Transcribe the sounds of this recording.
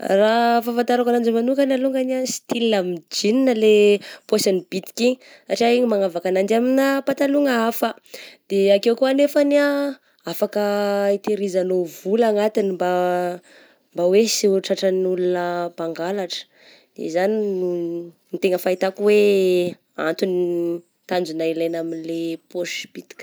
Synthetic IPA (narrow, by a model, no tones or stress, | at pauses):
rafafant̪aɾakanand͡ʒimanukanaluŋɡaniasi̥t̪ilnamid͡ʒininəlepwasanib̥it̪i̥ki | saʈ͡ʂiaiɲimaŋavakanand͡ʒaminəpat̪aluŋəafə | d̪̥eakewkuanefana | afakəit̪eɾizanovulaŋat̪inimba | mbawesiʈ͡ʂaʈ͡ʂənulunəbaŋɡalaʈ͡ʂə̥ | d̪̥ḛzaninunit̪eŋəfait̪akuwe | a̰nt̪uni | t̪and͡ʒunailajnaminlepoʃb̥it̪i̥kʲ